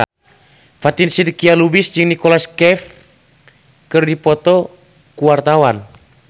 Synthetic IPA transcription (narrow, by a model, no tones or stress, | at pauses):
fat̪insidkialubisd͡ʒɨŋnikɔlaskɛf | kɨrdipɔt̪ɔ | kuwart̪awan